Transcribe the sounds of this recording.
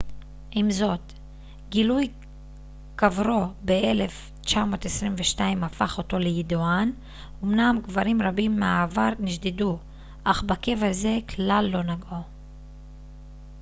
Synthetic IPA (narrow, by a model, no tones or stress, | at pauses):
ʔimzo̞t | ɡiluj | kavɾo̞beele̞f | t͡ʃamo̞ːtesʁimveʃtaimafaχo̞to̞lejidoan | omnamɡvaɾimʁabimːeaːvaɾniʃdidu | ʔaχbake̞vaze̞klalːo̞naɡo